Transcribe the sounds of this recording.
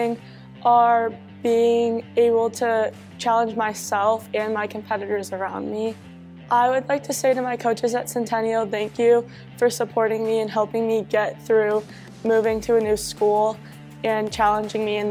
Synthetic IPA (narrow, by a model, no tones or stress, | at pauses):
ɪ̃ŋ | ʔə˞ | b̥iɪ̃ŋeɪbl̩ˠtʰɨ | t͡ʃʰælˠə̃nd͡ʒmaɪsɛlˠfɨ̃nmaɪkʰm̩pʰɛɾɨɾə˞zə˞ãʊ̃nmi | ʔaɪwədˡlaɪk̚tʰɨseɪɾɨmaɪkʰoʊt͡ʃɨzɨtsɛ̃ntʰɛ̃nil̩ˠθæ̃ŋkjʉ | fə˞səpʰɔɹɾɪ̃ŋmiɨ̃nɦɛlˠpɪ̃ŋmiɡɛt̪̚θɹʉ | mʉvɪ̃ŋtʰɨɨnʉskulˠ | ɨ̃nt͡ʃʰælˠə̃nd͡ʒɪ̃ŋmiɨ̃n